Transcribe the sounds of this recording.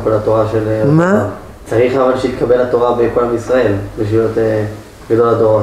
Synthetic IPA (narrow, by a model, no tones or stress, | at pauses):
kolat̪o̞ʁaʃelma | t͡saʁiχavalʃeit̪kʰabelat̪o̞ʁabekolamisʁae̞lbeʃvijot̪ | ɡad̪o̞ladoʁa